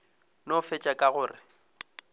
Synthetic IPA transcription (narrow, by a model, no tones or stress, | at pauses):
nɔfɛt͡ʃʼakʼaɣʊːrɪ